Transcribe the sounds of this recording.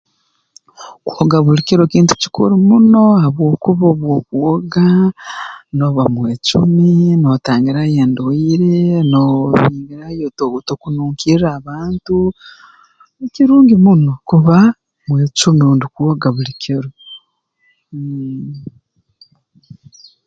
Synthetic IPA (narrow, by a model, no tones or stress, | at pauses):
kuoɡaβulikeɾokiːntu̥ci̥kṵɾimuno̞aβwo̞ːkuβoβwokuwoɡa | no̞βamweːt͡ʃuminotaːŋɡiɾajeːndoiɾenoβiːŋɡiɾajototokunuːŋkiɾaβaːntu | ekiɾuːŋɡimuno̞kuβa | mweːt͡ʃumioːndukuoɡaβulikʰeɾo